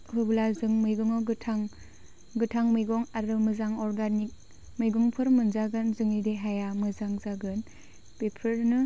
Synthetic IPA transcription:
ɦɯblazɯŋmɯjɡɯŋɔɡɯtʰaŋ | ɡɯtʰaŋmɯjɡɔŋaɾɯmɯzaŋɔɾɡanik̚ | mɯjɡɔŋpʰɯɾmɯnzaɡɯnzɯŋideɦajamɯzaŋzaɡɯn | pepʰɯɾnɯ

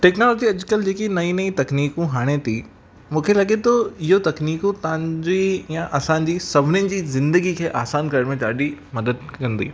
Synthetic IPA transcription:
ʈeːknoːloːd͡ʑiɐd͡ʑkəld͡ʑeːkinɐĩnɐĩt̪ɐkniːkũɦaːɽ̃et̪ʰi | mũːkʰelɐɠet̪ʰoɪɦot̪ɐkniːkũt̪ɐãɲd͡ʑijãʔɐsãːɲd͡ʑiːsɐbʱɪnɪnɪ̆d͡ʑiːzɪ̃nd̪əɡikʰeːʔaːsaːnkɐɾəɽmẽt͡ɕaːɗimɐd̪əd̪̚kɐ̃nd̪ḭː

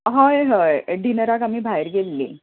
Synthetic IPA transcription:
ɦajɦəjɖʱinəɾaɡamiːbʱajɾɡelːḭː

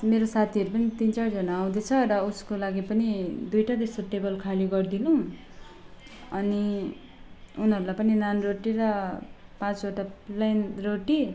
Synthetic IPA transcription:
meɾosat̪ʰiʌɾupʌnit̪int͡sard͡zʌnaːw̃d̪et͡sʰʌɾʌuskolaɡipʌnid̪ujʈad̪esoʈebʌlkʰaliɡʌrd̪inũ | ʌni | unɦʌɾulajpʌninanroʈiɾʌpãt͡soʈalajnroʈi

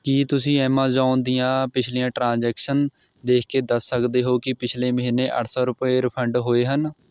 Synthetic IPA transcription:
kiːt̪ʊsĩːɛːmãːd͡ʒaːʊnd̪ɪjãːpɪt͡ʃʰliːjãːʈɾãːd͡ʒɛːkʃən | d̪eːkʰkeːd̪əsːəkd̪eːɦoːkɪpɪt͡ʃʰleːməɦiːnːeːʔə̰ʈʰsɔːɾʊpeːɾɪpʰəɳɖɦoːeːɦən

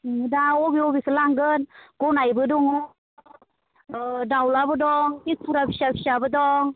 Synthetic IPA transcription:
ŋɯdaobiobisəlaŋɡənɡɔnajbɯdɔŋɔ | dawlabɯdɔŋpipʰuɾabʰisapʰisabɯdɔŋ

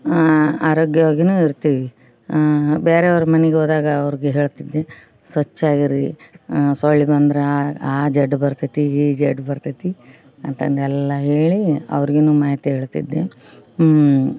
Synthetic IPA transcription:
aːɾoːɡjɐʋaːɡjinuːiɾt̪iːʋi | beːɾeɐʋɐɾumɐnɛɡeoːd̪aːɡɐːʋɐɾiɡeɦe̞ːɭt̪id̪ːe | sɐt͡ʃːaːɡiɾi | soɭːibɐnd̪ɐɾeaaːd͡ʒɛɖbɐɾt̪it̪iiːd͡ʒɛɖbɐɾt̪it̪i | ɐnt̪ɐnd̪ɛlːɐɦe̞ːɭiɐ̰ʋɐɾiɡenuːmaːɦit̪iɦeːɭt̪ḭd̪ːe

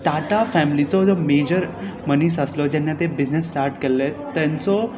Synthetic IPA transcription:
t̪aʈafɛmlit͡sɔd͡zɔmed͡ʑəɾmənisəslɔd͡ʑɛnːat̪ebid͡ʑnesːʈaɾʈkelːet̪ːãnt͡sɔ

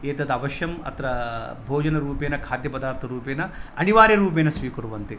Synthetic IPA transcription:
eːt̪ɐd̪ɐʋɐʃjɐmɐ̰t̪ɾɐ | bʱoːd͡ʒɐnɐɾuːpeːnɐkʰaːd̪jɐpɐd̪aːɾt̪ʰɐɾuːpeːnɐɐniʋaːɾjɐɾuːpeːnɐsʋiːkuɾuʋɐnt̪i

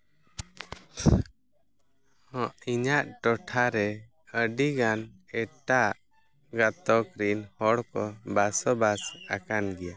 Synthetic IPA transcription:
hɔ̃ʔiɲaʔʈɔʈʰaɾɛ | əɖiɡanɛʈaʔ | ɡat̪ɔkɾinhɔɽkɔbasɔbasakanɡɛja

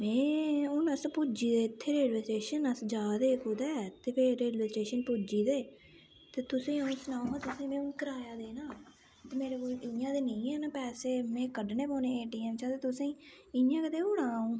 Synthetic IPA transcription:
mɛ̃ːʊnəspʊd͡ʒiːd̪eːt̪ʰːeːɾeːɖʋeːsʈeːʃənəsd͡ʒaːd̪eːkoːd̪ɛːt̪eːpʰeːɾeːɖʋɛːsʈeːʃənpuːd͡ʒiːd̪eː | t̪eːt̪ʊsẽːaũːsʊnaːõãːt̪ʊsẽːmɛ̃ːʊnkəɾaːjaːd̪eːnaː | t̪eːmeːɾeːkoːɪãːd̪eːnə̃ĩːɦɛːnaːpɛːseːmɛ̃ːkəɖneːpoːneːeːʈiːɛːmt͡ʃʰãːt̪eːt̪ʊsẽː | ɪãːkəd̪eːʊɽaːũː

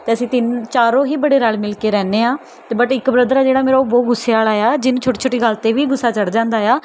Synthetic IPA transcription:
t̪eːəsĩːt̪ɪnt͡ʃaːɾõːɦiːbəɽeːɾaːlmɪlkeːɾɛːneːãː | t̪eːbəʈɪkbɾəd̪ɾaːd͡ʒeːɽaːmeːɾaoboːɡʊsːeːaːlaːjaːd͡ʒɪñːt͡ʃʰoːʈiːt͡ʃʰoːʈiːɡəlt̪eːʋiːɡʊsːaːt͡ʃəɽd͡ʒãːnd̪aːjaː

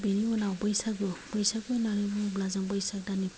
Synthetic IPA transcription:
beniɔnawbɯjsaɡub̥ɯjsaɡunanibublazaŋbɯjsak̚dani

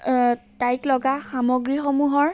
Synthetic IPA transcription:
tajklɔɡaxamɔɡɹixɔmuɦɔɹ

